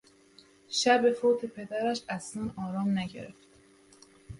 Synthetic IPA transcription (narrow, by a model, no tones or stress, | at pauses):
ʃæbe̞foːt̪ʰe̞pʰe̞d̪æɾæʃæsnænɒːɾɒːmnæɟe̞̰ɾḛft̪